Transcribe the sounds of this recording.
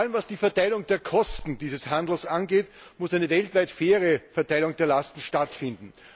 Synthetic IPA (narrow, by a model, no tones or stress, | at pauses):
aləmvasd̥iːfɛɐtaɪlʊŋdeːɐkʰɔstn̩d̥iːzəshandl̩sʔanɡeːt | mʊsæɪnəvɛltvæɪtfeːɐʁəfɛɐtʰaɪlʊŋdeːɐlastn̩ʃtatfɪndn̩